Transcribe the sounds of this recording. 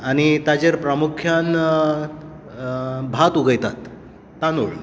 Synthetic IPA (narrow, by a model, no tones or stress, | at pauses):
aɽ̃it̪ad͡ʑeɾpɾəmukʰjan | bʱat̪uɡəjt̪at̪ː | anṵɭ